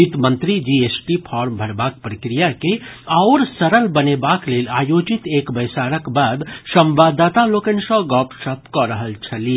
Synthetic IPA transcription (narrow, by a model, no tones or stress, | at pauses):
it̪mə̃nt̪ɾid͡ʒiesʈipʰɔːɾmbʱəɾbaːk̚pɾəkɾijakeaʊɾsəɾəlbənebakleːlaːjod͡ʒit̪eːkbəjsaːɾəkbaːd̪sə̃mʋad̪at̪aloːkensɔɡɔpsət̪kɔɾəɦəlt͡ʃʰəli